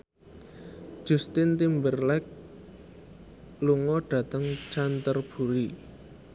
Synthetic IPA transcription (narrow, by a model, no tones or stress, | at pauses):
ʒ̥ṳst̪ɪnt̪imbərlɛk̚ | luŋɔɖ̥ä̤t̪əŋt͡ʃant̪ərb̥ṳɾi